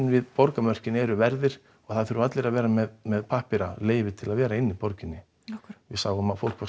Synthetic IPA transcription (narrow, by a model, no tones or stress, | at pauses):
nvɪðpɔɾkamœr̥cɪnɛːɾʏvɛɾðɪɾ̥ | ɔɣθaðθʏɾat̪lɪɾaðvɛːɾamɛðmɛðpʰahpɪɾaleːjvɪt̪ʰɪlaðvɛːɾaɪnːɪpɔɾcɪnːɪ | vɪsaːwʏmaðfowlkva